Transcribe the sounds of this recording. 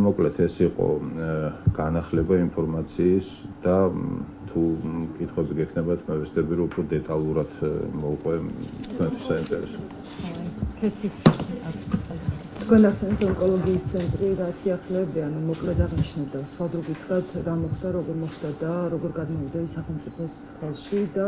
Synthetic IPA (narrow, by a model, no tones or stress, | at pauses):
mɔkʼlɛt̪ʰɛsiqʼɔ̰ | ɡ̥anaχlɛbaimpʰɔɾmat̪sʰiːs | d̪̥a | t̪ʰukʼit̪ʰχwɛbiɡɛkʰnɛbat̪ʰmɛvɛsd̪ɛbiɾɔupʰɾɔd̪ɛt̪ʼalˠuɾad̪mɔqʼwɛt̪kʰwɛnt̪ʰi̥saimp̪ʼɛ̰ɾḭs | kʰɛt̪ʰisa | t̪ʰkʰwɛnaχsɛnɛpt̪ɔŋkʼɔlˠɔɡiːst̪sʰɛnt̪ʼɾiɾasiaχlɛːbianumɔkʼlɛt̪aʁniʃnad̪asad̪ɾɔɡit̪ʰχɾat̪ʰɾamɔχd̪aɾɔɡɔɾmɔχd̪ad̪aɾɔɡɔɾɡad̪mɔvid̪ɛisaχɛlˠmt̪sʼipʰɔs | χɛlˠʃid̪a